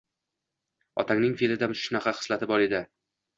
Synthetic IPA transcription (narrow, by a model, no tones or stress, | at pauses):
ɒ̰t̪ʰaŋnɪŋfelɪd̪amʃʊnaqʰɑχɨ̥slat̪ʰɪbɒɾed̪ɪ